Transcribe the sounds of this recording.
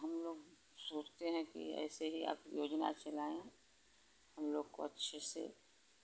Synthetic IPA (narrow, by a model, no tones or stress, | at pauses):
ɦɐmloːɡ | soːt͡ʃt̪eɦɛ̃kḭɛ̰ːseɦia̰ːpjoːd͡ʒna̰t͡ʃɐlaːẽ | hɐmloːɡko̰ɐtːʃʰesḛ